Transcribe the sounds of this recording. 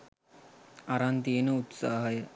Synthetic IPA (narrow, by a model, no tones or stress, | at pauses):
aɾant̪̬ienəut̪saːɦɐjə